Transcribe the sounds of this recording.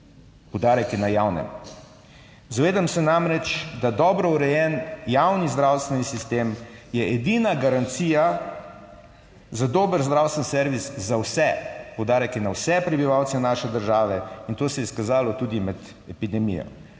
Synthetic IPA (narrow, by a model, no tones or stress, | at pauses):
pɔwd̪aːɾɛkinajawnɛ̰m | zaʋeːd̪amsɛnamɾɛt͡ʃd̪ad̪ɔːbɾɔuɾɛjɛnjawnizd̪ɾawst̪ʋɛnisist̪eːmjɛɛd̪inaɡaɾant̪siːja | zad̪oːbəɾzd̪ɾawst̪ʋɛnsɛɾʋiszawsɛpowd̪aːɾɛkinawsɛpɾɛbiʋawt̪sɛnaːʃɛd̪əɾʒaːʋɛint̪oːsɛjɛskazaːlɔt̪uːd̪imɛd̪ | ɛpid̪ɛmḭjɔ̰